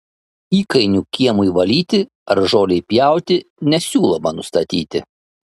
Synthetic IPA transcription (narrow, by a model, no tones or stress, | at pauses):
iːkɐɪnʲuːkʲiɛmʊiʋɐlʲiːt̪ʲɪ | ɐɾʒoːlʲɛɪpʲjæˑʊt̪ʲɪnʲɛsʲuːlˠɐmɐnʊst̪ɐt̪ʲiːt̪ʲɪ̰